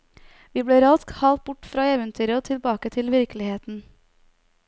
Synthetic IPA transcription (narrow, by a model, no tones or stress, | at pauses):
ʋiːbeːɾɑskhɑlt̪̚bʊʈfɾɑːeːʋənt̪ʰyːɾəot̪ʰɪlbɑːkət̪ʰɪlʋɪɾkəlɪheːt̪n̩